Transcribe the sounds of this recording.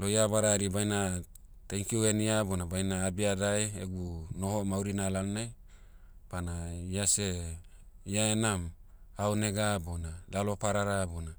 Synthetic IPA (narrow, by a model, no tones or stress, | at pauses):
lojabaɾaɾibajna | teŋkiueniabonabajnaːbiadajḛɡunohomawɾinalalnaj | panaiase | iaenam | awneɡabonalalopaɾaɾabona